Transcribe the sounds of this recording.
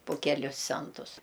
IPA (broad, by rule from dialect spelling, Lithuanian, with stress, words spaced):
pʊ ˈkʲæːlʲʊs ˈt͡sʲɛntʊs